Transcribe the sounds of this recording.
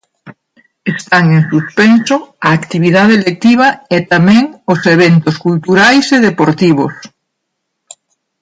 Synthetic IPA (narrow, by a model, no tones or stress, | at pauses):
est̪aŋẽŋsuspensoɐːkt̪iβ̞iðaðelek̚t̪iβ̞ɐet̪amɛ̃ŋoseβ̞ent̪oskult̪uɾajseðepoɾt̪iβ̞os